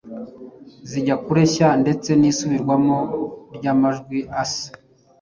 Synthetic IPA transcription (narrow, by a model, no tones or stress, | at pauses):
ziɟakuɾe̞çande̞t͡se̞nisuβiɾɡwamoɾɟamaʒɡwiʔasḁ